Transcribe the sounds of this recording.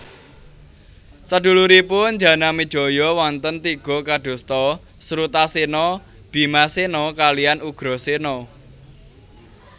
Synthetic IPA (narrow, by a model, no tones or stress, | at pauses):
səɖ̪̥ṳluɾipʊɲd͡ʒä̤namid̥ʒ̥ɔ̤jɔwɔnt̪ənt̪iɡ̥ɔ̤kaɖ̪̥o̤st̪ɔ | sɾut̪asenɔ | b̥i̤masenɔkalijanuɡ̥ɾɔ̤senɔ